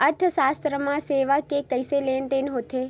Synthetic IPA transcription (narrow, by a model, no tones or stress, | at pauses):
əɾt̪ʰʃast̪ɾəmãseʋakekəjselent̪enɦot̪ʰe